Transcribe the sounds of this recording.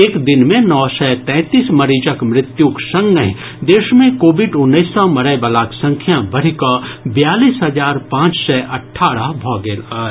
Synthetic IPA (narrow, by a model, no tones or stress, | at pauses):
eːkd̪ɪnmẽnɔːsɛt̪ɛ̃ːt̪iːsmɐɾiːd͡ʒəkmɾɪt̪juksɐ̃ŋɡəɦĩ | d̪eːʃmẽkoːbɪɖʊnːəɪsɔmɐɾəjbəlaːksɐ̃ŋkʰjãbɐɽ̤ikəbɪjaːliːsɦɐd͡ʒaːɾpãːt͡ʃsɛʔɐʈʰːaːɾəɦbʱɔːɡelə